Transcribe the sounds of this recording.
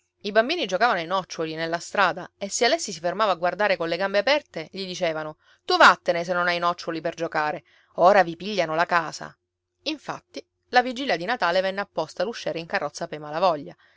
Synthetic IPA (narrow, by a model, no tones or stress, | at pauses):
ibambiːnid͡ʒokaːvanoinɔt͡ʃːolinelːast̪ɾaːd̪aesːealɛsːisifermaːvaɡward̪aːɾekonleɡambeapɛrt̪eʎid̪it͡ʃeːvano | t̪uvat̪ːenes̬enːonajnɔt͡ʃːoliperd͡ʒokaːɾe | oːɾavipiʎːanolakaːsa̰ | iɱfa̰t̪ːi | lavid͡ʒiljad̪inat̪aːlevɛnːeapːɔst̪aluʃːeːɾeiŋkarːɔt̪sːapejmalavɔʎːa